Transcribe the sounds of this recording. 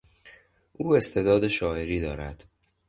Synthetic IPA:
ʔuːe̞st̪ʰe̞d̪ɒːd̪e̞ʃɒːje̞ɾiːd̪ɒːɾæd̪̥

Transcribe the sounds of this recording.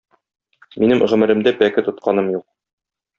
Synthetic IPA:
minɘmʁɘ̆mɘ̆ɾɘ̆md̪æpækɘt̪ŏt̪̚qɑnɤmjuq̚

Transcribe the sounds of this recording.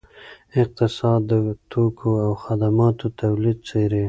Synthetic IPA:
ɪq̚t̪ɪsɑd̪ːət̪ʰokʰoawxad̪amɑt̪ot̪awlid̪̚t͡seɾe

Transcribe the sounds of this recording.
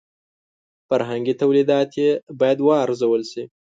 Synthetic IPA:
faɾɦaŋɡit̪awlid̪ɑt̪jebɑːjad̪wɑːɾzawəlsi

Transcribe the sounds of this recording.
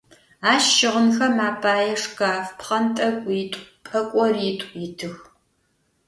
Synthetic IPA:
aːʃɪʁənxɐmaːpʰaːjɛʂkaːfpχɐntʼɐkʷʼiːtʷʼpʼɐkʷʼɔriːtʷʼitʰɨx

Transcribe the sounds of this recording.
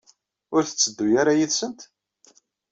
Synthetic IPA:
ʊɾθə̥t͡sːəd̪ːujaɾajiðsənt̪

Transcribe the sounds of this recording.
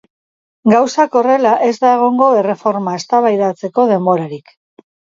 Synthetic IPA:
ɡawsako̞re̞laʔe̞zd̪aeɣ̞o̞ŋɡo̞e̞re̞fo̞ɾmaest̪aβajðat͡se̞ko̞ðe̞mbo̞ɾaɾik

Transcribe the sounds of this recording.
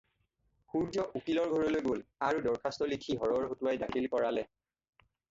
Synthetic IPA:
kuɹd͡ʒɔʔukilɔɹɡʱɔɹɔlojɡolaɹudɔɹkʰastɔlikʰiɦɔɹɔɹxotuwajdakʰilkɔɹalɛ

